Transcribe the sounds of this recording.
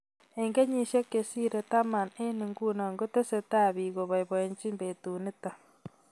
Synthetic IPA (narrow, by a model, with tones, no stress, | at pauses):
e˨ŋɡe˦ɲi˨ʃe˦ke˨si˦ɾe˨ta˦ma˨ne˦ni˨ŋɡuː˦na˨ŋɡo˦te˦se˨taː˦βiː˨ɣo˨βa˨iβo˨e˨ɲt͡ʃi˦mbetuːne˦ta˨